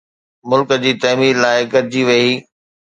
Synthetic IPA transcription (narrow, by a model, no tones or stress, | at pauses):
mʊlkəd͡ʑiːt̪ɐɦmiːɾlaːɪɡɐɾd͡ʑiʋɐiː